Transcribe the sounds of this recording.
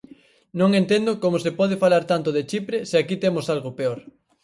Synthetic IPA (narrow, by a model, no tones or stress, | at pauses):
nõŋent̪end̪ʊkomosepɔðefalaɾt̪ant̪ʊðet͡ʃipɾeseakit̪emosalɣopeoɾ